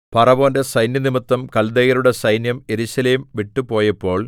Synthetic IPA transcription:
pɐrɐʋoːnde̞sɐjnjɐnimɐt̪ːɐmkɐld̪eɣɐɾuɽe̞sɐjnjɐme̞ɾuɕɐleːmʋiʈːupo̞ːjɐpːo̞ːɭ

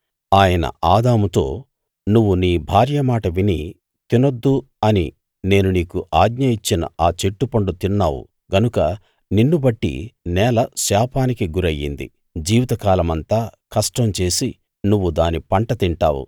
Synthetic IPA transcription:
aːjɐnɐ̰aːd̪aːmut̪o̞ː | nuʋːuniːbʱaːɾjɐmaːʈɐʋini | t̪inod̪ːu | ɐnḭ | ne̞ːnuniːkuʔaːɡɲɐjit͡ʃːinɐ̰aːt͡ʃe̞ʈːupɐɳɖut̪inːa̰ːwṵ | ɡɐnukɐ | ninːubɐʈːḭnɛːlɐʃaːpʰaːnikiɡuɾɐjːḭnd̪ḭ | d͡ʒiːʋit̪ɐkaːlɐmɐnt̪aːkɐʂʈɐmt͡ʃe̞ːsi | nuʋːud̪aːnipɐɳʈɐt̪iɳʈa̰ːwṵ

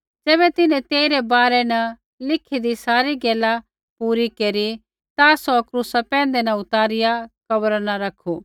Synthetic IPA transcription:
d͡ʒɛːβɛt̪ɪnɛ̃t̪eːiɾebaːɾɛnɐ | lɪkʰid̪isaːɾiɡɛːla | puːɾikeːɾi | t̪asɔkɾuːsapɛ̃ːn̆d̪enɐʊt̪aːɾɪjakɐbəɾanaɾɐkʰu

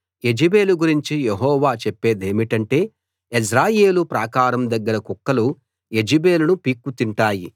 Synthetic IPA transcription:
e̞d͡ʒibe̞ːluɡuɾiɲt͡ʃijeɦɔːʋaːt͡ʃepːe̞ːd̪eːmiʈɐɳʈe̞ː | isɾaːje̞ːlupɾaːkaːɾɐmd̪ɐɡːɐɾɐkukːɐlu | e̞d͡ʒibe̞ːlunupiːkːut̪iɳʈaːji

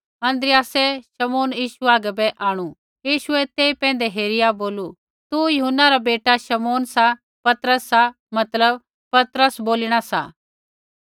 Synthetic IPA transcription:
ɐ̃nd̪ɾɪjaːsɛʃɐmoːnjiːʃuaːɡɛbɛʔaːɽ̃u | jiːʃʊɛt̪eːipɛ̃ːnd̪eɦeːɾɪjaboːlu | t̪ujʊɦʊnːaɾabeːʈaʃɐmoːnsa | pɐt̪ɾəsːa | mɐt̪ləb | pɐt̪ɾəsboːlɪɽ̃asa̰

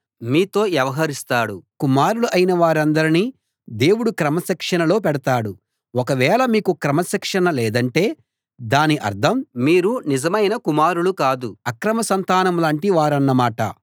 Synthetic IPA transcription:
miːt̪o̞ːjɛʋɐɦɐɾist̪aːɽukumaːɾuluʔɐjinɐʋaːɾɐnd̪ɐɾini | d̪e̞ːwuɽukɾɐmɐsɛkʂɐnɐlo̞ːpɛɽɐt̪aːɽu | ɔkɐʋɛːɭɐmiːkukɾɐmɐsɛkʂɐnɐlɛːd̪ɐɳʈe̞ː | d̪aːniʔɐ̰ɾd̪ʰʱɐmːiːɾunizɐmɐjnɐkumaːɾuɭukaːd̪uɐkɾɐmɐsɐnt̪aːnɐmlaːɳʈiʋaːɾɐnːɐmaːʈɐ̰

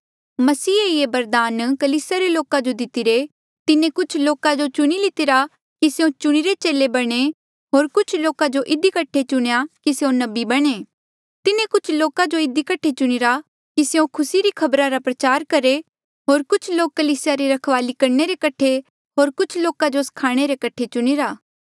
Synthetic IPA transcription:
mɐsiːeebɐɾd̪aːnkɐliːsɪjaɾeloːkad͡ʒod̪ɪt̪ɪɾe | t̪ɪnẽkʊt͡ʃʰloːkad͡ʒot͡ʃʊɽ̃ilɪt̪ɪɾa | kiseõt͡ʃʊɽ̃iɾet͡ʃeːlebɐɽ̃e | ɦoːɾkʊt͡ʃʰloːkad͡ʒoʔɪd̪ikɐʈʰet͡ʃʊɽ̃ejakiseõnɐbibɐɽ̃eː | t̪ɪnẽkʊt͡ʃʰloːkad͡ʒoɪd̪ikɐʈʰːet͡ʃʊɽ̃ɪɾa | kiseõkʰʊsiɾikʰɐbɾaɾapɾɐt͡ʃaːɾkɐɾe | ɦoːɾkʊt͡ʃʰloːkːɐliːsɪjaɾeɾɐkʰʋaːlikɐɾɳeɾekɐʈʰe | ɦoːɾkʊt͡ʃʰloːkad͡ʒoskʰaːɽ̃eɾekɐʈʰet͡ʃʊɽ̃iɾaː

